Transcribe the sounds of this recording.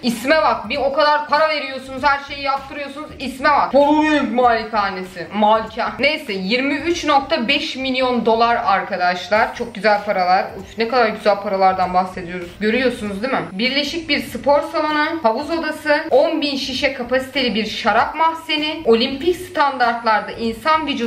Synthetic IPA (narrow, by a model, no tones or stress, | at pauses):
ismɛvak̪̚bio̞kad̪aɾpʰaɾave̞ɾijo̞ɾsunuz̥hæɾʃe̞jijap̚t̪ʰːɯɾɯjo̞ɾsunuzismɛvakboɾuɾumaːlʲit̪ʰaːnesɪmalʲcʰane̞jsɛjiɾmiyt͡ʃno̞k̚t̪ʰabɛʃmilʲijo̞nd̪o̞lˠaɾaɾkʰad̪aʃlˠaɾ̥t͡ʃʰo̞k̚ɟyzælʲpʰaɾalˠaɾ | nɛkad̪aɾɟyzælʲpʰaɾalˠaɾd̪anbaxse̞d̪ijo̞ɾuzɟø̞ɾyjo̞sunuzd̪imɪbiɾlʲe̞ʃic̚biɾsɯpʰo̞ɾsalˠanɯhabuzo̞d̪asɯonbinʃiʃɛkʰapasi̥t̪ʰe̞lʲibiɾʃaɾapmafsenɪo̞lʲimpicst̪ʰand̪aɾt̪lˠaɾd̪aʔinsanvid͡ʒu